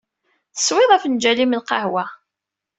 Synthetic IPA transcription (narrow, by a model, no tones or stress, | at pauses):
θə̥swɪðˤæfnd͡ʒælimlqɑ̰hwæ